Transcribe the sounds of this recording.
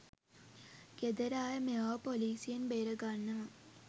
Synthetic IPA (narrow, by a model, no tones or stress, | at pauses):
ɡ̥ed̪əɾaːjəmeaːpoliːsijenbeːɾəɡanːɐ